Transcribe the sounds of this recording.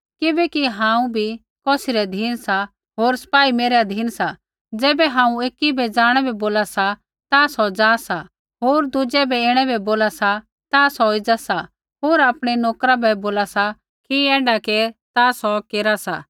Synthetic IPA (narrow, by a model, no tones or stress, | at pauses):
kɪbɛkiɦãːũbʱi | kɔːsɪɾɛd̪ʱiːnsa | ɦoːɾsɐ̥paːimeːɾad̪ʱiːnsa | d͡zɛːbɛɦãːũeːkibɛd͡zaːɽ̃ɛbɛboːlasa | t̪asɔd͡zaːsa | ɦoːɾd̪ʊd͡ʒɛbɛɪɽ̃ɛbʱɛboːlasa | t̪asɔɪd͡zasa | ɦoːɾaːpɽ̃ɛnoːkɾabɛboːlasa | kiɛːɖaket̪aːsɔkeːɾasa̰